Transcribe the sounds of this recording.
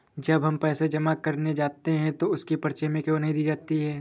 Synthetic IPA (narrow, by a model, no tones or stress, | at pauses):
d͡ʒɐbɦɐmpɛːsed͡ʒɐmakɐɾned͡ʒaːt̪eɦɛ̃t̪oʊskipɐɾt͡ʃemẽkjõːnɐɦĩd̪iːd͡ʒaːt̪iɦɛː